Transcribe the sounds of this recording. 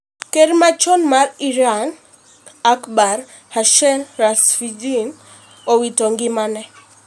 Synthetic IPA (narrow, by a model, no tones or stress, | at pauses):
keɾmat͡ʃɔnmariɾan | akbar | haʃɛnrasfid͡ʒin | owitoŋɡɪmanɛ